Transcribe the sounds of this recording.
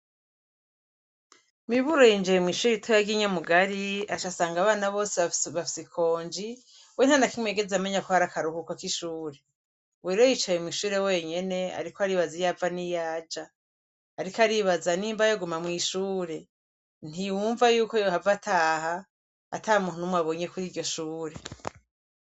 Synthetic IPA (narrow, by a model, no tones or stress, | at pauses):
miβuɾo̞jind͡ʒijemŋwiːʃuːɾitʰojaɡiɲamuɡaɾiat͡ʃasaːŋɡaβaːnaβo̞ːseβafi̥sikʰo̞ːɲd͡ʒi | wenhanakimwe̞ːɡe̞zeameɲakohaɾakaɾuhukakiʃuːɾe̞ | weːɾojit͡ʃajemŋiːʃuːɾe̞we̞ːɲe̞ne̞a̰ɾikoaɾiβazijaːvanijaːd͡ʒaː | ɾikaɾiβazaniːmbajoɡumamŋiːʃuːɾe̞ | n̥ijuːɱvajuːko̞johavatʰaːha | a̰taːhumuːn̥unumwaβo̞ɲe̞kuɾiːɾɟo̞ʃuːɾe̞